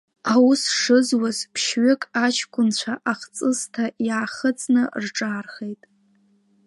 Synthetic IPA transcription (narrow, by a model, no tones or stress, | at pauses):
awʊsʂɨzwazpʰʃɥʏkʼat͡ʃʰkʷʰʼʊnt͡ɕʷʰaʔaχt͡sʼɨztʰajaːχət͡sʼnɨrʈ͡ʂʼaːrχe̞jtʼ